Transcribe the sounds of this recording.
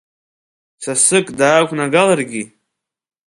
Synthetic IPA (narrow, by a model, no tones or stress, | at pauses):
t͡sʰasɨkʼdaːkʷʰʼnaɡalarɡʲi